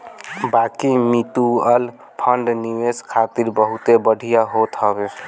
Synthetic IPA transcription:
bakimit̪uəl | pʰəɳɖniweskʰat̪iɾbəɦut̪ebəɽʱijaɦot̪ɦəbe

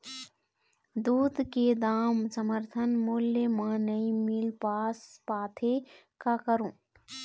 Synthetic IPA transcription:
d̪uːd̪ked̪aːmsəməɾt̪ʰənmuːljəmãːnəimɪlpaːspaːt̪ʰe | kakəɾũː

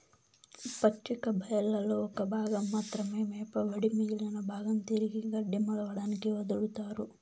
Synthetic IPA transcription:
pɐt͡ʃːikɐbʱɐjɐlːɐlːoɔkɐbʱaːɡɐmːaːt̪ɾɐmeːmeːpɐʋɐɽimiːlːɐnɐbʱaːɡɐnt̪iɾiɡiɡɐɖːimɐɽɐʋɐɽaːnikeʋɐd̪ɐɭut̪aːɾu

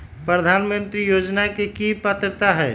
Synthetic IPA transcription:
pɾəd̪ʱaːnmənt̪ɾijod͡ʒnakekipət̪ɾt̪aɦɛ

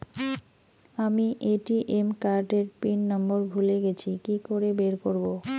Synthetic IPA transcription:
amiʔeʈiʔemkaɾɖeɾpinːɔmboɾbʱuleɡet͡ɕʰikikoɾebeɾkoɾbo

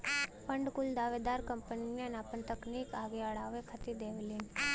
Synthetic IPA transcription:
pəɳɖkuld̪aʋed̪aɾkəmpəniniənapənt̪əknikaɡeaɭaʋekʰət̪id̪eʋlin

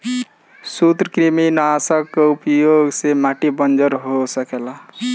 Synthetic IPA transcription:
sut̪ɾəkɾiminasəkːeupjoɡsemaʈibənd͡ʒəɾɦosəkela

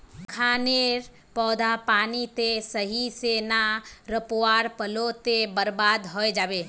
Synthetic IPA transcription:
kʰaːneːɾ | pɔːd̪ʱapaːnit̪esəɦiseːnaɾəpoaːɾpəlot̪ebəɾbaːd̪ɦɔːed͡ʒaːʋeː

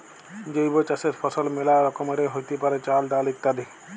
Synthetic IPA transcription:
d͡ʒojbot͡ʃɐset̪pʰɔsɔlmelaɾɔkɔmeɾeɦojt̪epaɾet͡ʃaːld̪aːlikt̪ad̪i

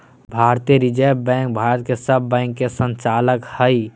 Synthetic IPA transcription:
bʱaɾt̪eɾid͡ʒəbɛ̃ŋk̚bʱaɾət̪̚kesəbːɛ̃ŋkːesə̃nt͡ʃaləkhəj

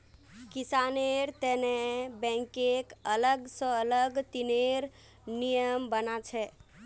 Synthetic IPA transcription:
kisaneɾt̪ɛnebɛ̃ŋkekələɡsə̃ələɡt̪ineɾ | nijəmbənat͡ʃʰɛ

